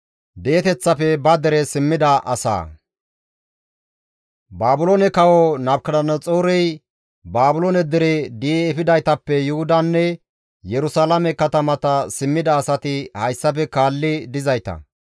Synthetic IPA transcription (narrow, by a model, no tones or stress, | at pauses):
d̪eːt̪ɛt͡sːɐpɛbɐd̪ɛɾɛsɪmːɪd̪ɐʔɐ̰sa̰ː | baːbʊloːnɛkɐwɔnɐbkɐdɐnːɐt͡sʼoːɾɛj | baːbʊloːnɛd̪ɪɾɛd̪ɪːfɪd̪ɐjt̪ɐpːɛjʊhʊd̪ɐnːɛ | jɛɾʊsaːlɐmɛkɐt̪ɐmɐt̪ɐsɪmːɪd̪ɐːsɐt̪ɪhɐjsːɐpɛkaːlːɪd̪ɪzɐjt̪ɐ̰